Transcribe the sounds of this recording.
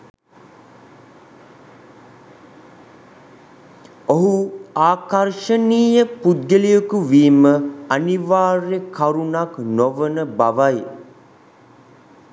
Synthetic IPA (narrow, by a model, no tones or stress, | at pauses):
oɦuaːkarʃəniːjəpud̪ɡəlijəkuʋiːməaniʋaːrekaɾunaknoʋənəbaʋaj